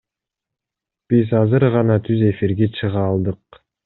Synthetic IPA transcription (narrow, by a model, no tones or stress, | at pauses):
b̥izɑzɯɾʁɑnɑt̪ʰyze̞fiɾɡet͡ʃʰɯʁɑːlˠd̪ɯq̚